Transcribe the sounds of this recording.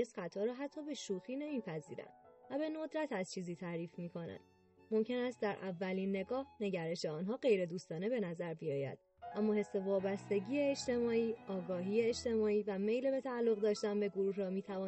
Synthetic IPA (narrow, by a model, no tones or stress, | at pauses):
esχæt̪ʰːɒːɾɒːɦæt̪ʰːɒːbe̞ʃuːxiːne̞miːpʰæzḭːɾæ̰nvæbe̞no̞d̪ɾæt̪ʰæzt͡ʃʰiːziːt̪ʰæːɾiːfmiːkʰo̞næ̰nd̪̥ | mo̞mcʰe̞næst̪d̪æɾʔævːæliːnːe̞ɡɒːhne̞ɟæɾe̞ʃeɒːnɦɒːɢe̞jɾe̞d̪uːst̪ɒːne̞be̞næzæɾbijɒ̰ːjæ̰d̪̥̚ | ʔæmːɒːhe̞sːe̞vɒːbæst̪e̞ɟiːeːʃt̪e̞mɒːiːɒːɡɒːɦiːeet͡ʃt̪e̞mɒːiːvæme̞jlebe̞t̪ʰæːlːo̞ɣd̪ɒːʃt̪ænbeɡoɾuːɦɾɒmiːt̪ʰævɒː